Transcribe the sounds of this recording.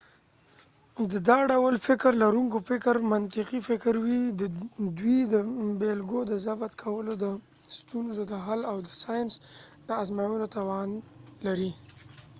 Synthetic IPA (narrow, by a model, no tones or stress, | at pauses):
d̪əd̪ɑɖawəlfɪkɾlaɾuŋkofɪkɾmant̪ɪqifɪkɾwid̪d̪wid̪əbelɡod̪əzafat̪kʰawəlod̪ə | st̪unzod̪əɦalawd̪əsɑjɪnsnaːzmawinot̪awɑnlaɾi